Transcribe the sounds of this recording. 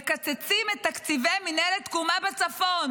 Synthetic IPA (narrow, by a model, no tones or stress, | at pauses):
kat͡set͡simet̪ːakt͡sivejminelet̪kumabet͡safon